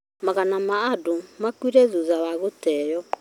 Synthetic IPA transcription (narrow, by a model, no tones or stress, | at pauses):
maɣanamaːdomakwiɾɛðuðawaɣotɛːjɔ